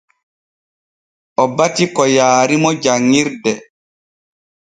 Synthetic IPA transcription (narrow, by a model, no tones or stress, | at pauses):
ʔɔbatikɔjaːɾimɔd͡ʒaŋːiɾdɛ